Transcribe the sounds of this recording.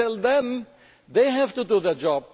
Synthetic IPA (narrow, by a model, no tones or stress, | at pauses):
ɛlðɛ̃m | ðeɪɦævtuduðəd͡ʒɔb̚